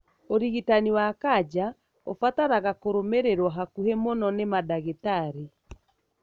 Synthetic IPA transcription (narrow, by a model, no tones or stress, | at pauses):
oɾiɣitaniwakad͡ʒa | ofataɾaɣakoɾomeɾeɾwaɦakuhemonɔnemadaɣetaɾi